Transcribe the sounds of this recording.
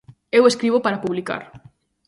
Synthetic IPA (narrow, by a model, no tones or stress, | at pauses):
eweskɾiβ̞opaɾapuβlika̰ɾ